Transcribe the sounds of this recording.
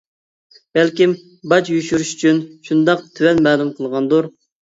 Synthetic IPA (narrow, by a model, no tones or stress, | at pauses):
b̥ɛlkʲim | bɑt͡ʃjyʃyɾyʃy̥t͡ʃʰynʃund̪ɑq̚t̪ʰywɛnmɛːlumqʰəlˠʁɑnd̪uɾ